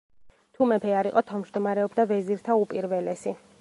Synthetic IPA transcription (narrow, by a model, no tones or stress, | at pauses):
t̪ʰumɛpʰɛaɾiqʼɔt̪ʰavmd͡ʒd̪ɔmaɾɛɔbd̪avɛziɾt̪ʰaupʼiɾvɛlɛsi